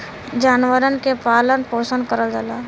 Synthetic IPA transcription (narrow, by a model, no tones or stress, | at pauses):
d͡ʒaːnʋəɾənkepaːlənpoːsənd̪kəɾəld͡ʒala